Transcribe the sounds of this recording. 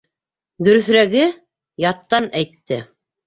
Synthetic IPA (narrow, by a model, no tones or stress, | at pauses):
d̪ɵ̆ɾɵ̆θɾæɡɘ | jɑt̪ːɑnæjt̪ːɘ